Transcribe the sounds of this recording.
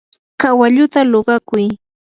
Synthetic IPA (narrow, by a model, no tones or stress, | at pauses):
kawaʎʊt̪aloɢɑkʊj